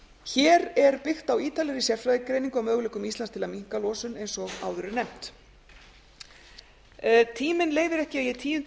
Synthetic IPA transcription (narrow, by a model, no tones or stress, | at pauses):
çɛːɾɛɾpɪxt̪awiːt̪alɛɾisjɛr̥fɾajðɪkɾejniŋkʏawmœːɣʏlɛːkʏmist̪lanst̪ʰɪlamiŋ̥kalɔːsʏnejnsɔɣa̰ːwðʏɾɪnɛm̥t̪ | t̪ʰiːmɪnleːjvɪɾɛhcɪajɛt̪ʰiːjʏn